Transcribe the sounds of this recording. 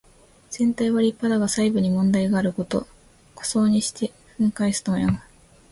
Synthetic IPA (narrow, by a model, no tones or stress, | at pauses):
z̥ẽ̞nt̪aiβaɾʲipad̪aɡasaibɯ̟ɲ̟imõ̞nd̪aiɡaːɾɯ̟ko̞t̪o̞̰ | kʰo̥so̞ːɲ̟iɕi̥t̪e̞ɸɯ̟̃ŋkaisɨ̥t̪omojama